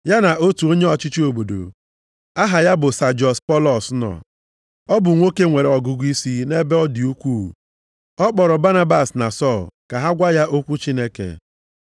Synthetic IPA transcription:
ja˦na˨o˦tu˨o˦ɲe˦ɔ˨t͡ʃi˦t͡ʃi˦o˨bo˨do̰˨ | a˦ɦa˨ja˦bʊ˨sa˨d͡ʒɔ˨spɔ˦lɔ˨snɔ̰˨ | ɔ˦bʊ˨ŋʷo˦ke˦ŋʷe˨ɾe˨ɔ˨ɡʊ˦ɡʷi˦si˦ne˦be˦ɔ˦dɪ˨u˦kʷu˦˨ | ɔ˦k͡pɔ˨ɾɔ˨ba˦na˦ba˨sna̰˨sɔ˦˨lka˨ɦa˦ɡʷa˦ja˦ʔo˦kʷu˦t͡ʃi˦ne˦kḛ˨

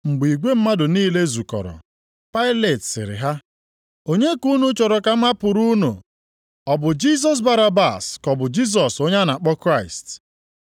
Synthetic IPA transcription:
ŋ͡m̩˨ɡ͡bi˨ɡʷe˦m̩˦ma˦dʊ˨niː˦le˦zu˨kɔ̰˨ɾɔ̰˨ | pa˦ɪ˦le˨tsɪ̰˨ɾɪ̰˨ɦa˦ | o˦ɲe˦ku˦nu˦t͡ʃɔ˨ɾɔ˨ka˦m̩a˦pʊ˨ɾu˦nṵ˨ | ɔ˨bʊ˨d͡ʒi˦s̬ɔ˨s̬ba˦ɾa˦ba˨skɔ˨bʊ˨d͡ʒi˦s̬ɔ˨so˦ɲe˦na˨k͡pɔ˦kɾa˦ɪ˨st

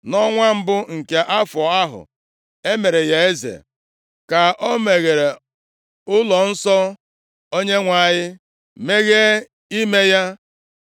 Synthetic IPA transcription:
nɔ˦ŋʷa˦m̩˦bʊ˦ŋ̩˨ke˨ʔa˦fɔ˨a˦ɦʊ̰˨ | e˦me˨ɾe˨ja˦e˦zḛ˨ | ka˨ɔ˦me˨ɣe˨ɾe˨ | ʊ˦lɔ˨n̩˦sɔ˦ | o˦ɲe˦ŋʷa˨ɲɪ˦ | me˦ɣe˦ | i˦me˦ja˦

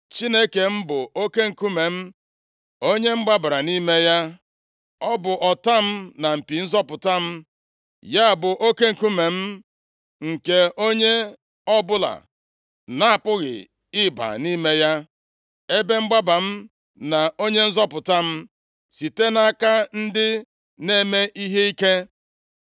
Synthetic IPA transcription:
t͡ʃi˦ne˦ke˨m̩˦bʊ˨o˦ke˦ŋ̩˨ku˦me˨m̩˦ | o˦ɲe˦ŋ͡m̩˦ɡ͡ba˦ba˨ɾa˨ni˦me˦ja˦ | ɔ˦bʊ˨ʔɔ˨ta˦m̩˦na˨m̩˨pi˨n̩˦zɔ˦pʊ˨ta˦m̩˦ | ja˦˨bʊ˨ʔo˦ke˦ŋ̩˨ku˦me˨m̩˦ | ŋ̩˨ke˨o˦ɲe˦ | ɔ˦bʊ˦la̰˨ | na˨a˨pʊ˦ɣɪ̰˨ | ɪ˦ba̰˨ni˦me˦ja˦ | e˦be˦ŋ͡m̩˦ɡ͡ba˦ba˨m̩˦ | na˨o˦ɲe˦n̩˦zɔ˦pʊ˨ta˦m̩˦ | si˨te˦na˦ka˦n̩˦dɪ˦ | ne˦me˦ʔi˦ɦe˦i˦ke˦

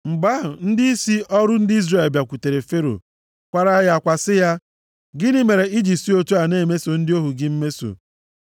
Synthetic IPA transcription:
ŋ͡m̩˨ɡ͡ba˦ɦʊ˨n̩˦dɪ˦i˦si˦ɔ˦ɾʊ˦n̩˦dɪ˦i˦zre˨lbja˨kʷu˨te˨ɾe˨fe˦ɾo̰˨ | kʷa˨ɾa˦ja˨a˨kʷa˨sɪ˦ja˦ | ɡɪ˦nɪ˦me˨ɾe˨i˦d͡ʒi˨si˦o˦tu˦a˨ne˦˨me˦so˨n̩˦dɪ˦o˦ɦu˨ɡɪ˦m̩˦me˦so̰˨

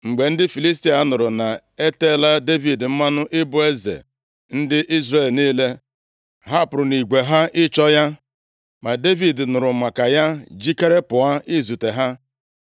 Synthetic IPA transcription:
ŋ͡m̩˨ɡ͡be˨n̩˦dɪ˦fi˨li˦s̬ti˨˦a˦nʊ˨ɾʊ˨na˨ | e˦te˦˨la˦de˦vi˨dm̩˦ma˦nʊ˦ʔɪ˦bʊ˦e˦zḛ˨ | n̩˦dɪ˦ʔi˦zɾe˨lni˦le˦ | ɦa˦˨pʊ˨ɾʊ˨ni˨ɡʷe˨ɦa˦ɪ˦t͡ʃɔ˦ja˦ | ma˨de˦vi˨dnʊ˨ɾʊ˨ma˨ka˨ja˦d͡ʒi˦ke˦ɾe˦pʊ˨a˦ɪ˦zu˨te˨ɦa˦

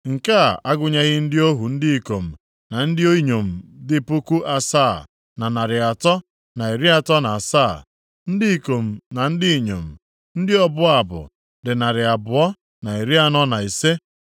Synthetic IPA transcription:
ŋ̩˨ka˦˨a˦ɡʊ˨ɲa˦ɣɪ˦n̩˦dɪ˦o˦ɦu˨n̩˦dɪ˦i˨ko˨m̩˨ | na˨n̩˦dɪ˦o˦i˦ɲo˨m̩˨dɪ˦pʊ˦ku˦ʔa˨saː˦˨ | na˨na˨ɾɪ˨a˨tɔ˦ | na˨i˨ɾi˦a˨tɔ˦na˨a˨saː˦˨ | n̩˦dɪ˦i˨ko˨m̩˨na˨n̩˦dɪ˦i˨ɲo̰˨m̩˨ | n̩˦dɪ˦ɔ˦bʊ˦a˨bʊ̰˨ | dɪ˨na˨ɾɪ˨a˨bʊ˨ɔ˦ | na˨i˨ɾi˦a˦nɔ˦na˨i˨se˦

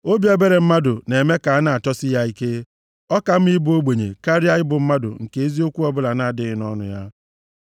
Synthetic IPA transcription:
o˦bje˦be˦ɾe˨m̩˦ma˦dʊ˨ne˨me˦ka˨a˦na˨a˨t͡ʃɔ˦sɪ˦ja˦i˦ke˦ | ɔ˦ka˨m̩˦i˦bu˨˦o˦ɡ͡bʷe˨ɲḛ˨ka˦ɾja˦ɣɪ˦bʊ˨m̩˦ma˦dʊ̰˨ŋ̩˨ke˨e˦zi˦o˦kʷu˦ɔ˦bʊ˦la˨na˨a˨dɪ˦ɣɪ˨nɔ˦nʊ̰˨ja̰˦

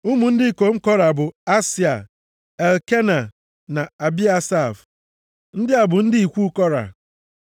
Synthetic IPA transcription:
u˦mu˨n̩˦dɪ˦˨ko˨ŋ͡m̩˦kɔ˦ɾa˨bʊ˨a˦si˨a˨ | e˨lke˦na˨ | na˨a˨bi˦a˦sa˦˨f | n̩˦dɪ˦a˨bʊ˨n̩˦dɪ˦i˨kʷu˦kɔ˦ɾa̰˨

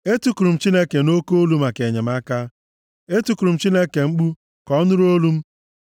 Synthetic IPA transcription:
e˦tu˦ku˨ɾu˨m̩˨˦t͡ʃi˦ne˦ke˨no˦ko˦o˦lu˦m̩a˨ke˨ɲe˨m̩˦a˦ka˦ | e˦tu˨ku˨ɾu˨m̩˦˨t͡ʃi˦ne˦ke˨ŋ͡m̩˦k͡pu˦ | kɔ˦ɔ˦nʊ˦ɾo˦lu˦m̩˦

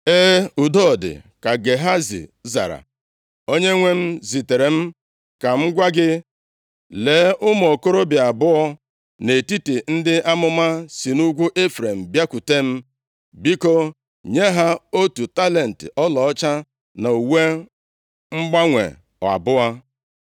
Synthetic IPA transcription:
e˦u˨dɔ˦˨dɪ̰˨ka˨ɡe˨ɦa˦zḭ˨za̰˨ɾa̰˨ | o˦ɲe˦ŋʷe˦m̩˦zi˨te˨ɾe˨m̩˦ | ka˨ŋ͡m̩˦ɡʷa˦ɡɪ˦ | le˨˦ʔʊ˦m˨o˨ko˦ɾo˦bɪ˨a˨bʊ˦ɔ˦ | ne˨ti˦ti˨n̩˦dɪ˦ʔa˦mʊ˦ma˦si˨nu˦ɡʷu˦ʔe˦fɾe˨m̩˨bja˦ku˨te˦m̩˦ | bi˦ko˦ | ɲe˦ɦa˦o˦tu˨ta˦le˨n̩˨tɪ̰˨ʔɔ˦lɔ˨ɔ˦t͡ʃa˦ | na˨u˨we˦ | ŋ͡m̩˦ɡ͡ba˦ŋʷḛ˨ | ɔ˨a̰˨bʊ˦a˦

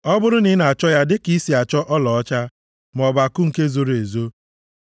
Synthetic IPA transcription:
ɔ˦bʊ˦ɾʊ˦nɪ˨˦na˨t͡ʃɔ˦ja˦dɪ˦ki˦si˨a˨t͡ʃɔ˦ʔɔ˦lɔ˨ɔ˦t͡ʃa˦ | m˨ɔ˨ba˨kʊ˦ŋ̩˨ke˦zo˨ɾe˨zo˦

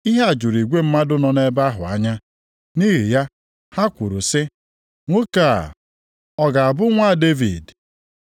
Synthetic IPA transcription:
i˦ɦe˦a˨d͡ʒu˨ɾi˨ɡʷe˦m̩˦ma˦dʊ˦nɔ˨ne˦ba˦ɦʊ̰˨a̰˦ɲa˦ | ni˦ɦi˨ja˦ | ha˦kʷu˨ɾu˨sɪ˦ | ŋʷo˦ka˨ | ɔ˨ɡa˨a˨bʊ˦ŋʷa˦˨de˦vḭ˨d

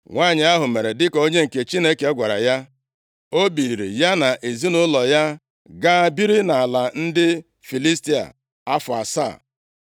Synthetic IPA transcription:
ŋʷa˦˨ɲɪ˨a˦ɦʊ˨me˨ɾe˨dɪ˦kɔ˨o˦ɲe˦ŋ̩˨ke˨t͡ʃi˦ne˦ke˨˦ɔ˦ɡʷa˨ɾa̰˨ja˦ | o˦bi˨i˨ɾḭ˨ja˦na˨ʔe˨zi˦nʊ˦lɔ˨ja˦ | ɡaː˦˨bi˦ɾi˦na˨a˨la˨n̩˦dɪ˦ | fi˨li˦sti˦a̰˨ | a˦fʊ˨a̰˨sa̰ː˦˨

